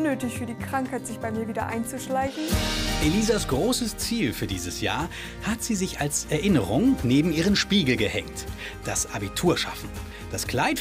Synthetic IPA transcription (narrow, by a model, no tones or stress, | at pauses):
nøːtɪçfyːɐdiːkʁ̥aŋkhaɪtz̥ɪçb̥aɪmiːɐviːdɐʔaɪnt͡suʃlaɪçn̩ʔeliːzasɡ̥ʁoːsəst͡siːlfyːɐdiːzəsja̰ːɐ | hatz̥iːzɪçalsɛɐʔɪnəʁʊŋneːbm̩iːʁ̞ənʃpiːɡl̩ɡəhɛ̰ŋt | d̥asʔabitʰuːɐʃa̰fn̩ | d̥askl̥aɪt